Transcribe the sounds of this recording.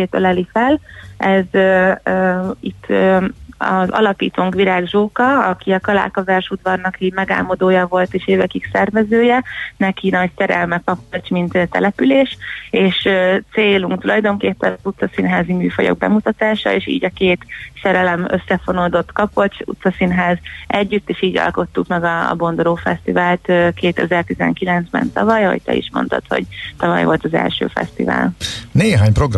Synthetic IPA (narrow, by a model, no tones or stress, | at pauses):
eːt̪ø̰lɛlifɛlɛz | it̪ʰː | ɒ̰zɒ̰lɒpiːt̪oːŋkʋiɾaːɡʒoːkɒɒkiɒkɒla̰ːkɒzɛrʃud̪vɒrnɒkiːɟmɛɡa̰ːmo̞d̪oːjɒvo̞lt̪eːʃeːvɛkiksɛrvɛzøːjɛnɛkinɒcsɛɾɛ̰lmɛkɒpot͡ʃmint̪t̪ɛ̰lɛpyleːʃeːʃt̪seːluŋkt̪ulɒjd̪o̞ŋkeːpːɛnzut̪sɒsinɦaːzimyːfojo̰ɡ̚bɛ̰mut̪ɒt̪aːʃɒ̰eːʃḭːɟɒkeːt̪sɛɾɛlɛmøsːɛfonold̪o̞t̪ːkɒpot͡ʃṵt̪sɒsinɦaːzʔɛɟːyt̪ːeːʃiːɟɒ̰lko̞t̪ːukmɛɡɒ̰ːbo̞nd̪oɾoːfɛst̪ivaːlt̪ːkeːt̪ɛzɛrt̪izɛ̰ŋkilɛnzbɛ̰nt̪ɒvɒjɒho̞̰c̚t̪ɛ̰ḭʃmo̞̰nt̪o̞̰t̪ho̞̰ɟt̪ɒvɒ̰jvolt̪ɒzɛ̰lʃø̰ːfɛ̰st̪ḭva̰ːlneːɦaːɲpɾoɡr